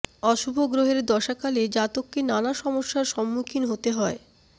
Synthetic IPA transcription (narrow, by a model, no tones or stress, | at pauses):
ɔʃubʱoɡɾoɦeɾd̪ɔʃakaled͡ʑat̪okːenanaʃɔmoʃːaɾʃɔmːukʰinɦot̪eɦɔe